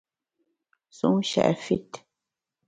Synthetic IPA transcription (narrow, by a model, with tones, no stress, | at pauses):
su˦ŋʃɛ̰˨ʔfi˦t